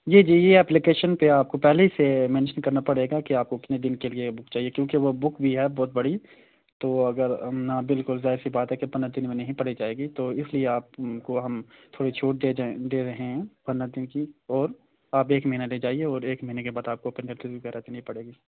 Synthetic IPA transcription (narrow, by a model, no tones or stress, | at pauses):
d͡ʒiːd͡ʒiːjeɛːplikeːʃənpeaːp̚kopɛɦleɦisemɛ̃ːnʃənkɐɾnapɐɽeːɡakiaːp̚kokɪt̪ned̪ɪnkeliebʊkt͡ʃaːɦiekjõːkeʋobʊkbʱiɦɛbɔːt̪̚bɐɽi | t̪oːɐɡəɾnabɪlkʊlzaːɪɾsibaːt̪ɦɛkepɐnːad̪ɪnmẽnɐɦĩpɐɽid͡ʒaːeːɡit̪oɪslieaːp̚koɦɐmt̪ʰoːɽit͡ʃʰoːʈ̚d̪ed̪eːɾɐɦẽɦɛ̃pɐnad̪ɪnkiɔːɾ | aːpeːkmɐɦiːnaleːd͡ʒaːieɔːɾeːkməɦinekebaːd̪aːp̚kopɛ̃ɳɖɛ̃ʈɪsbʱikɛɾɛɦt̪inɐ̃ɦĩpɐɽeːɡiː